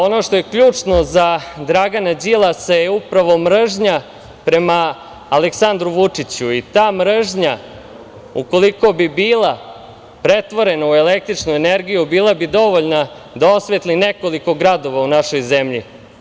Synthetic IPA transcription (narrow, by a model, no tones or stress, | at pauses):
o̞no̞ʂt̪ojekʎuːt͡ʂno̞zad̪ɾaɡanad͡ʑilˠasajeupɾaʋo̞mɾ̩ʒɲa | pɾe̞maː | leksand̪ɾuʋut͡ʂit͡ɕuit̪aːmɾ̩ʒɲa | uko̞liko̞bibiːlˠa | pɾe̞t̪ʋo̞ɾe̞nauele̞k̚t̪ɾit͡ʂnueneɾɡijubiːlˠabid̪o̞ʋoʎna | d̪ao̞sʋet̪line̞ko̞liko̞ɡɾad̪o̞ʋaunaʃo̞jzemʎḭ